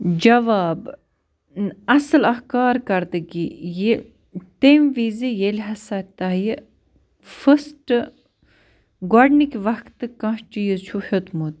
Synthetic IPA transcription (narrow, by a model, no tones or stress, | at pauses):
d͡ʒɐʋaːb | ɐsɨlɐhkaːɾkɐɾd̪ɨɡije | t̪emʋiːzijelʲɦɐsɐt̪aɦji | fəsʈɨ | ɡaɖnikʋɐkʰt̪ɨkɐ̃ɦt͡ʃijət͡ʃʰuħut̪mut̪̚